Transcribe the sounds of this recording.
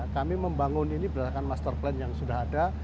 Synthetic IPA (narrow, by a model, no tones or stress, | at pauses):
kamiməmbaŋʊninibəɾatakanmast̪ərplɛnjaŋsudahada